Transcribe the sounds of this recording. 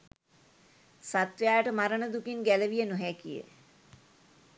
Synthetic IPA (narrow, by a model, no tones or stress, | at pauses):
sat̪ʋejaːəʈəmaɾənəd̪ukinɡæləʋijənoɦækijə̰